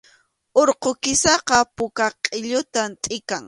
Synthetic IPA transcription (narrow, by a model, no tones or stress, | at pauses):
oɾqokɪsɑqɑpʊkaqʼɪʎʊt̪amt̪ʼɪkaŋ